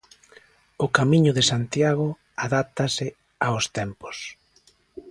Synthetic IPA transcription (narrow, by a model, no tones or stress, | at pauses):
ʊkamiɲʊðɪsant̪jaɣ̞ʊ | aðap̚t̪asɪ | aost̪ɛmpo̥s